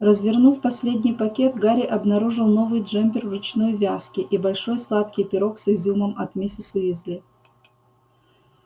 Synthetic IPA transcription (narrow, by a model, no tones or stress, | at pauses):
rəzvʲɪrnufpɐsʲlʲedʲnʲɪjpɐkʲet̪ɡaɾʲɪʔɐbnɐɾuʐɨlˠno̞vɨjdʐɛmʲpʲɪrvɨt͡ɕnojvʲaskʲɪʔibɐlʲʂo̞jslˠat̪kʲɪjpʲɪɾo̞ksɨzʲuməmɐt̪mʲisʲɪsɨvʲɪzʲlʲi